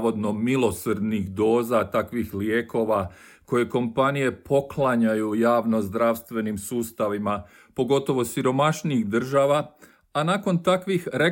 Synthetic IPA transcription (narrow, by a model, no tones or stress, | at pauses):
o̞d̪no̞milo̞srd̪nixd̪o̞ːzat̪akʋixlje̞ːko̞ʋa | ko̞je̞ko̞mpanije̞pʰo̞klaɲajujaːʋno̞zd̪ɾaʋst̪ʋe̞nimsuːst̪aʋima | po̞ɡo̞t̪o̞ʋo̞siɾo̞maʃniixd̪r̩ʒaːʋa | anaːko̞nt̪akʋixɾe